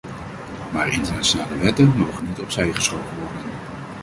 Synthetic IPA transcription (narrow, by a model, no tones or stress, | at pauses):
maːɹɪ̰ntəɹnaʃonaːləʋɛtənmowχənːitɔpsɛjχəsχowkənʋɔɹdən